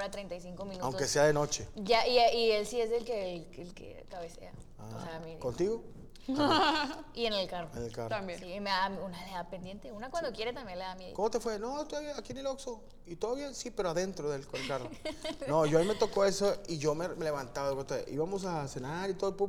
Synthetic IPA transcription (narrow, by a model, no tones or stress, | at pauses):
ɾat̪ɾejnt̪ajs̬iŋkominuawŋke̞seaðeno̞t͡ʃe̞ʝaʔieielsiezelkeelkḛkaβesḛa̰ | asemikont̪iɣo | ienelkaroenelka̰rsimeamiunaleðapend̪je̞nt̪eunakwand̪okje̞ɾet̪ambjenleðamjeðkomo̞t̪e̞fwe̞nost̪oaβjeakienelokso | it̪oðoβjensipe̞ɾoaðe̞nt̪ɾoðelkonelkaronojoaime̞t̪o̞ko̞e̞soiʝo̞meme̞le̞βant̪aβaewot̪oḛʔḭβamo̞s̬ase̞naɾit̪oðopu